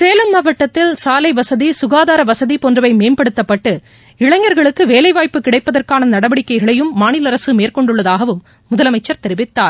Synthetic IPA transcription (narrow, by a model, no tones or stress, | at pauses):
seːlɐmːɐʋɐʈːɐt̪ːɪlsaːlɐɪʋɐsɐðisʊɣaːðaːɾɐʋɐsɐðipɔndrɯʋɐɪmeːmpɐɽɯt̪ːɐpːɐʈːɯ | ɪɭɐɲːɐɾɣɐɭɯkːɯʋeːlɐɪʋaːjpːɯkɪɽɐɪpːɐðɐrkaːnɐnɐɽɐʋɐɽɪkːɐɪɣɐɭɐjɯmːaːnɪlɐɾɐsɯmeːɾkɔɳɖɯɭːɐðaːɣɐʋɯmː | ʊðɐlɐmɐɪt͡ʃːɐɾt̪ɛɾɪʋɪt̪ːaːɾ